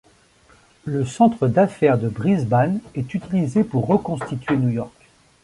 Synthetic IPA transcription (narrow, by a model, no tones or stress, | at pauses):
ləsɑ̃t̪χəd̪afɛʁd̪əbʁizbanɛt̪yt̪ilizepuʁːəkɔ̃st̪it̪ɥenjujɔʁk